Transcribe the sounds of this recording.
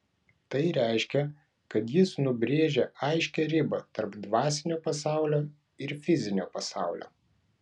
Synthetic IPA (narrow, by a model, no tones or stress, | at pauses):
t̪ɐɪɾʲæˑɪʃʲkʲɛ | kɐt̪jɪsnʊbʲɾʲeːʒʲeɐɪʃʲkʲɛɾʲɪbɐt̪ɐɾpd̪ʋɑːsʲɪnʲoːpɐsɑˑʊlʲoː | ɪɾfʲɪzʲɪnʲoːpɐsɑˑʊlʲo̰ː